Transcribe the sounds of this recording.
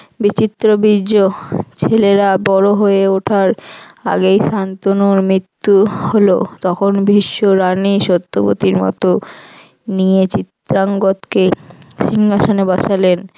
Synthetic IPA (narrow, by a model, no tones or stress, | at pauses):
bit͡ɕit̪ːɾobiot͡ɕʰeleɾabɔɾoɦoeoʈʰaɾa̰ɡejʃant̪onuɾmɾit̪ːuholot̪ɔkʰonbʱiʃːoɾaniʃot̪ːobo̰t̪iɾmɔ̰t̪o | nijet͡ɕit̪ɾaŋɡot̪keʃiŋɡaʃonebaʃalen